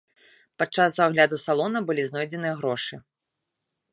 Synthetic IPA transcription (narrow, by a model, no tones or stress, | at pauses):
pat͡ʂːasuaɣlʲad̪usalˠɔnɐbɨlʲiznɔjd͡zʲɛnɨjɐɣɾɔʂɨ